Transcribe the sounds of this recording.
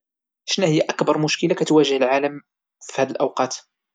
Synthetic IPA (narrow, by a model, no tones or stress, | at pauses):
ʃnæhəjːæʔækbɑɾˤmʊʃkəlakæt̪wæʒəhəlʕaləm | fihæd̪əlʔæwqɑt̪